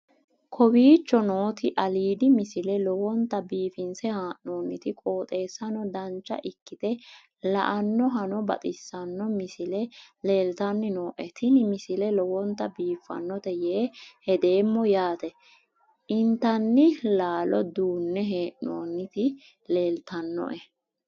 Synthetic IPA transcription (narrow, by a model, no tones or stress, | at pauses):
kʰɔbiːt͡ʃːɔno̞ːt̪ɪʔɐliːd̪ɪmɪsɪlɛlɔwɔnt̪ːɐbiːfɪnsɛhaːʔnoːnːɪt̪ɪkʼo̞ːt̪ʼe̞ːsːɐnɔd̪ɐnt͡ʃːɐ̰ʔɪkːɪt̪ɛ | lɐ̰ʔɐnːɔɦɐnɔbɐ̰t̪ʼɪsːɐnːɔmɪsɪlɛle̞ːlt̪ɐnːɪnoːʔɛt̪ʰɪnɪmɪsɪlɛlɔwɔnt̪ːɐbiːfːɐ̰nːɔt̪ɛjeːhɛd̪e̞ːmːɔjaːt̪ɛ | ʔɪnt̪ɐnːɪlaːlɔd̪uːnːɛɦeːʔnoːnːɪt̪ɪ | le̞ːlt̪ɐnːɔ̰ʔɛ